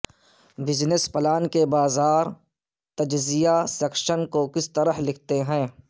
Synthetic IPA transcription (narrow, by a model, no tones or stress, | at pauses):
bɪznəspɐlaːnkebaːzaːɾ | t̪ɐd͡ʒzijasɛːkʃənkokɪst̪ɐɾəɦlɪkʰt̪eɦɛ̃ː